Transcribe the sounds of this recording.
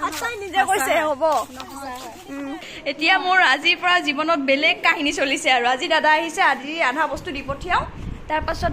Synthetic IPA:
asajnizɛkojsɛɦobɔ | etijamʊɹaziɹpɔɹazibɔnɔt̚bɛlɛɡ̚kaɦinisolisɛaɹuazidadaaɦisɛadiadʱabɔstudipotʰijaʊ̃taɹpasɔt̚

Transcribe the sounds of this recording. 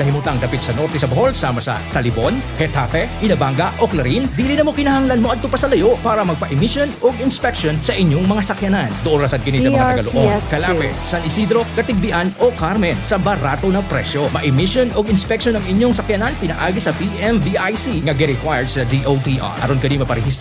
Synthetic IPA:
nɐɦimut̪aŋd̪ɐpit̪̚sɐno̞ɾt̪ɛsɐbɐho̞lsaːmɐsɐ̰t̪ɐlɪbonhɛt̪afɛhɪnɐbaŋɡɐʔoklɐɾind̪iːlɪnɐmokɪnɐhɐŋlanmoʔɐd̪̚t̪ʊpɐsɐlɐjo̞ʔpaːɾɐmɐɡ̚pɐʔɪmiʃjonoɡɪnspɛk̚ʃonsɐʔɪɲːoŋmɐŋasɐkjɐnand̪ʊʔonɾɐsɐd̪̚kɪnisɐmɐŋat̪ɡɐloʔobkɐlapɛ̰sɐnʔɪsid̪ɾo̞kɐt̪ɪɡ̚bɪʔanʔo̞kaɾmɛnsɐbɐɾat̪o̞nɐŋpɾɛ̰sjo̞mɐʔɪmiʃjonoɡɪnspɛk̚ʃonɐŋɪɲːoŋsɐkjɐnanpɪnɐʔaːɡɪsɐpiʔɛmviʔajsiŋɐɡɛɾɛkwajɛɹd̪̚sɐd̪iʔowt̪iʔa̰ʔɐ̰ɾonkɐd̪imɐpɐɾɛhist̪

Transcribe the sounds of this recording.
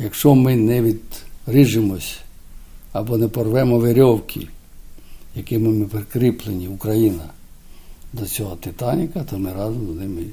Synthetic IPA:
jɐkʃt͡ʃɔmɪnɛʋʲid̪rɪʒɪmɔsʲ | ɐbɔnɛpɔrʋɛmɔʋeɾʲɔwkʰʲḭ | jɐkɪmɪmɪpɾekɾɪplˠenʲiukɾɐjinɐ | d̪ɔt͡sʲɔɦɔt̪ɪt̪ɑnʲɪkɐt̪ɔmɪɾɑzɔmznɪmɪ

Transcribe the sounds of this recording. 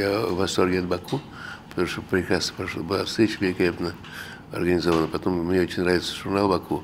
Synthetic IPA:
javɐst̪orɡʲed̪bɐku | pə̥t̪ɐmuʂt̪opɾʲɪkɾasə̥pɐʂobɨlˠafst̪ʲɾʲet͡ɕəvʲɪlʲɪkɐlʲapnə | ɐ̰rɡənʲɪzovənəpɐt̪omːnʲeot͡ɕɪnʲnravʲɪt̪sə̥ʐʊrnalˠbɐkʰu

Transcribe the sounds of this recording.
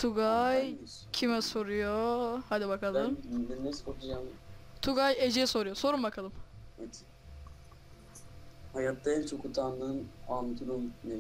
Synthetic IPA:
t̪ʰuɡaj | cʰimɛso̞ɾujohad̪ibakʰalˠɯmd̪ɛnnɛskoɾt̪ud͡ʒamt̪ʰuɡajed͡ʒiɛso̞ɾujoso̞ɾumbakʰalˠɯmɛt̪ʰ | hajat̪d̪aɛnt͡ʃʰokʰut̪ʰanɯnand̪uɾumne

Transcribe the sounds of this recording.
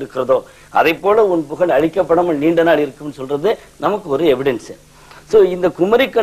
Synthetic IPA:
ɾɯkːɪɾɐðoː | ɐ̰ðɐɪpːoːlɐʊnpʊɣɐɭɐɻɪkːɐpːɐɽɐmɐɭniːɳɖɐnaːɭɪɾɯkːɯmnːɯsɔlrɐðɯ | nɐmɐkːɯɔɾɯɛʋɪɽɛns | soːɪnd̪ɐkʊmɐɾɪkːɐ

